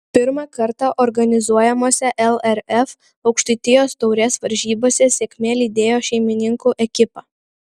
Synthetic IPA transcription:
pʲɪɾmɑkɐɾt̪ɑʔɔɾɡɐnʲɪzuɔjɛmoːsʲɛʔɛlˠɛɾɛf | ɒʊkʃʲt̪ʲɐɪt̪ʲɪjoːst̪ɔʊɾʲɛːsʋɐɾʲʒʲiːboːsʲɛsʲeːkʲmʲeːlʲiːd̪ʲeːjoːʃʲɛɪmʲɪnʲɪŋkuːʔɛkʲɪpɑː

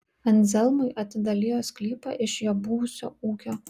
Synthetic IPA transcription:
ɐnt̪zʲɛlˠmɐɪʔɐt̪ʲɪd̪ɐlʲiːjoːsklʲiːpɐ̰ʔɪʃjoːbʊʋʊsʲo̰ːuːkʲoː

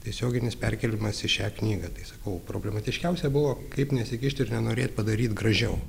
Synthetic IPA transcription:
t̪ʲiɛsʲoːɡʲɪnʲɪspʲɛrʲkʲɛlʲɪmɐsɪʃʲæːknʲiːɡɐt̪ɐɪsɐkɐʊpɾo̰ːbʲlʲɛmɐt̪ʲɪʃʲkʲɛʊsʲɛbʊʋoːkɐɪpnʲɛsʲɪkʲɪʃʲt̪ʲɪɾnʲɛnoːɾʲeːt̪̚ʲpɐd̪ɐɾʲiːt̪ɡɾɐʒʲɛʊ

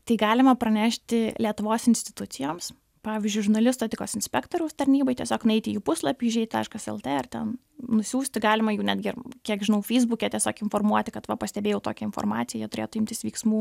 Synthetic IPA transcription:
t̪ɐɪɡɑːlʲɪmɐpɾɐnʲæːʃʲt̪ʲɪlʲiɛt̪ʊʋoːsɪnʲsʲt̪ʲɪt̪ʊt̪sʲɪjoːms | pɑːʋʲɪzʲd͡ʒʲʊɪʒʊrnɐlʲɪst̪oːtʲɪkoːsɪnʲsʲpʲɛkt̪oːɾʲɛʊst̪ɐɾʲnʲiːbɐɪt̪ʲiɛsʲoːknʊɛɪt̪ʲɪjuːpʊslˠɐpʲiːɪʒʲɛɪt̪ʲɐɪʃkɐsɛ̰lˠt̪ʲeːɐrt̪ʲɛn | nʊsʲuːsʲt̪ʲɪɡɑːlʲɪmɐjuːnʲæːd̪ʲɡʲɪrkʲiɛkʒʲɪnɐʊfʲɛɪzbʊkʲɛt̪ʲiɛsʲoːkɪnformuɔt̪ʲɪkɐt̪ʋɐpɐsʲt̪ʲɛbʲeːjɛʊt̪oːkʲɛɪnfo̰rmɑːt̪sʲɪjɛjiɛt̪ʊɾʲeːt̪ʊɪmʲt̪ʲɪsʋʲiɪksmuː

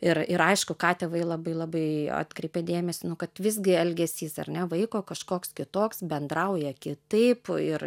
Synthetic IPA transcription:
ɪɾɪɾɐɪʃkʊkɑːt̪ʲɛʋɐɪlˠɐbɐɪlˠɑbɐɪɑ̰ːt̪ʲkɾʲɛɪpʲɛd̪ʲeːmʲɛsʲɪnʊkɐt̪ʋʲɪzʲɡʲɪɛlʲɡʲɛsʲiːsɐ̰rʲnʲɛʋɐɪkoːkɐʃkoːkskʲɪt̪oːksbʲɛnd̪ɾɐʊjɛkʲɪt̪ɐɪpɪr

